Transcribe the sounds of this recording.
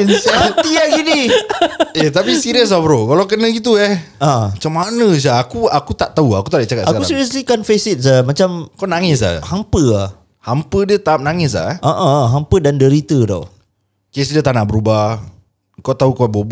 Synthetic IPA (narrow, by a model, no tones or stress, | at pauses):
nsat̪iaɡini | ɛt̪apisiɾiəs̬afɾokalawk̬ənə̃ɡit̪̬uɛhãat͡ʃamːanə̃s̬aːkuakut̪aʔt̪auakut̪aʔdaʔt͡ʃakat̪sakkakusiɾiəslikanfesit̪̚samat͡ʃamkanaŋɪs̬a̰hampəa | hampədiət̪aːp̚naŋɪs̬la̰ʔəʔəɦampədandəɾit̪ədɔ̰w | kesdət̪anaʔbəɾuba | kat̪aɦukabob